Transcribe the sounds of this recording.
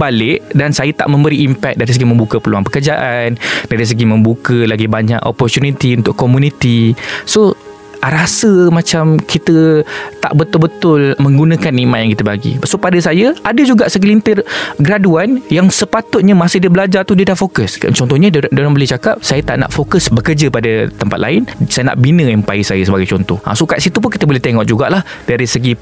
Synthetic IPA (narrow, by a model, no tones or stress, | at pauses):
balɪʔdansajət̪a̰ʔmə̃mbəɾiːmpɛk̚daɾis̬əɡimə̃mbukəpəlua̰ŋnpəkərd͡ʒaʔandaɾis̬əɡimə̃mbukəlaɡibaɲa̰ʔo̰pɔrt̪unit̪iunt̪ʊʔkːomunit̪iso | ɾasəmãt͡ʃamkʰit̪ət̪a̰ʔbət̪ʊlbət̪ʊlmə̃ŋɡunə̃kanːimãʔ̚jaŋkit̪əbaɡḭsopadəsajəadəd͡ʒuɡaʔsək̬əlint̪ɪrɡɾaduanjaŋsəpat̪ʊt̪̚ɲəmasɪhdiəbəlad͡ʒart̪udiədahfokəst͡ʃɔnt̪ɔɲədalaŋbəleht͡ʃakap̚sajət̪a̰ʔna̰ʔfokəsbəkərd͡ʒəpadət̪əmpat̪̚la̰ɪnsajəna̰ʔbinə̃ɛmpa̰isajəsəbaɡajt͡ʃɔnt̪ɔhʔa̰sukat̪sit̪up̬ʊnkit̪əbolɛht̪eŋɔʔ̚d͡ʒuɡa̰ʔlahdaɾisəɡi